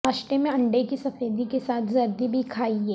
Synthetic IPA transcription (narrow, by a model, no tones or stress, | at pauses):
aːʃʈɾəmẽɐ̃ɳɖekisɐfeːd̪ikesaːt̪ʰzɐɾd̪ibʱikʰaːiɦɛː